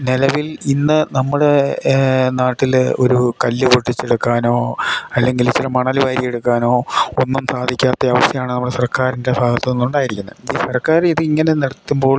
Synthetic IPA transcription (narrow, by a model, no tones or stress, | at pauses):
nelɐʋilinːɨnɐmːuɽe̞ | naːʈːilo̰ɾukɐlːɨpoʈːit͡ɕːeɽukːaːno̞ːɐlːe̞ŋɡilt͡ɕːiɾɐmɐɳɐluʋaːɾijeɽukːaːno̞ːonːumsaːd̪ʱikʲːaːt̪ːeɐʋɐst̪jɐmaːɳɨnɐmːuɽesɐrkaːɾinde̞bʱaːɡɐt̪ːɐnenːuɳɖaːjiɾikʲːunːɐiːsɐrkːaːɾiðɨiŋːɐne̞nɐɽɐt̪ːumbo̞ːɭ